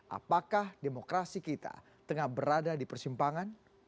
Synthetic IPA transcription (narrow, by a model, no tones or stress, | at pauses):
ʔa̰pakahdemokɾasikit̪a̰ | t̪əŋahbəɾadadipərsimpaŋan